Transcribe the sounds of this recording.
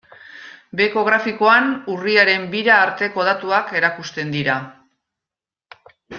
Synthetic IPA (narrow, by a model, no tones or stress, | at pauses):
be̞ko̞ɣ̞ɾafiko̞anuriaɾe̞mbiɾaːɾt̪e̞ko̞ð̞at̪uake̞ɾakust̪e̞nd̪iɾa